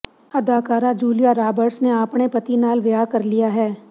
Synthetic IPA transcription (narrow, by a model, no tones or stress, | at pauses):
ɐd̪aːkaːɾad͡ʒuːlijaɾaːbəɾsneaːpɽ̃epɐt̪inaːlʋjakɐɾlijaɦɛː